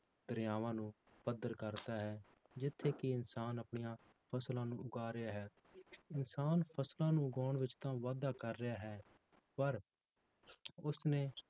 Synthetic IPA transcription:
d̪əɾjaːʋãːnũːpəd̪əɾkəɾt̪aːɦɛː | d͡ʒɪt̪ʰːeːkɪɪnsaːnəpɳijãːpʰəslãːnũːʊɡaːɾɪjaːɦɛːɪnsaːnpʰəslãːnũːɡɔːɳʋɪt͡ʃt̪ãːʋaːd̪aːkəɾːɪjaːɦɛː | pəɾ | ʊsnẽː

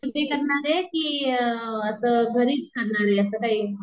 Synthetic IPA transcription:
t͡ʃuʈikəɾnaɾeki | əsəɡʱəɾiːbstʰannaɾɦeəsəkai

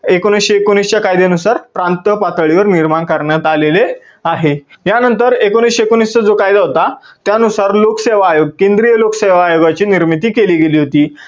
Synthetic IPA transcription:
ekoñisɕeːkonist͡ɕjakajd̪eənusaɾpɾant̪əpat̪əɭiʋəɾniɾmaɳkəɾɳjat̪alele | aɦe | janənt̪əɾekoñiːɕekoñist͡səd͡zokajd̪aɦot̪a | t̪janusaɾlokseʋaːjoɡ̚kẽnd̪ɾijəlokseʋaːjoɡat͡ɕiːniɾmit̪iːkeliːɡeliːɦot̪iː

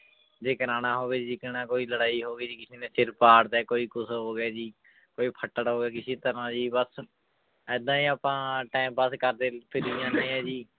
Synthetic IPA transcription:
d͡ʒeːkəɾaːñaːɦoːʋeːd͡ʒid͡ʒiːkɪnãːkoːiːləɽaːiːɦoːɡeːd͡ʒiːkɪsiːnẽːsɪɾpaːɽd̪ɛːkoːiːkʊsɦoːɡɛːd͡ʒiː | koːiːpʰəʈːəɽɦoːɡɛːkɪsiːt̪əɾãːd͡ʒiːbəs | ɛːd̪ãːiːaːpãːʈaːmbəskəɾd̪eːpʰɪɾiːjãːnəĩːɦɛːd͡ʒiː

